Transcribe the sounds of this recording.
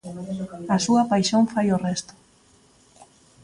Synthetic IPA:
asuapajʃoɱfajorest̪o̥

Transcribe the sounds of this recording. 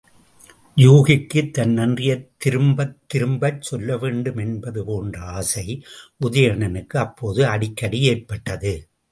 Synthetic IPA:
juːɣɪkːɯt̪ːɐnnɐndrɪjɐt̪ːɪɾɯmbɐt̪ːɪɾɯmbɐɾsɔlːɐʋeːɳɖɯmɛnbɐðɯpoːndrɐaːsɐɪʔʊðɐjɐɳɐnɯkːɯɐpːoːðɯɐɽɪkːɐɽɪjeːpːɐʈːɐðɯ

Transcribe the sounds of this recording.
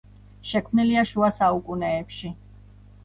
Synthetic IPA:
ʃɛkʰmniliaʃuasaukʼunɛːpʃi

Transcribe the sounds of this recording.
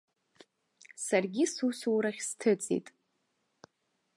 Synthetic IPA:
sarɡʲisusuwɾaχʲstʰɨt͡sʼḭtʼ

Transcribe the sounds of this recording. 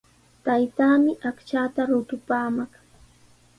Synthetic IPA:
t̪ajt̪aːmɪʔakt͡ʃaːt̪aɾʊt̪ʊpaːmaχ

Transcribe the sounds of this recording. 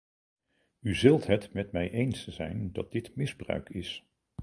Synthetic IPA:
yzɵlˠtɦətmɛtmɛjʔejnsz̥ɛ̰jndɑt̚d̥ɪtmɪzbrœ̰ɥkʰɪs

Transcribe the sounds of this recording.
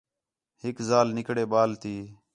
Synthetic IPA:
hɪkzaːlnɪkɽeːɓaːlt̪iː

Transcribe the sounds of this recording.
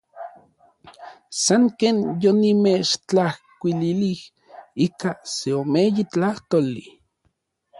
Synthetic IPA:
saŋkeːnjonimet͡ʃt͡ɬahkʷililih | ikaseomejit͡ɬaht̪oli

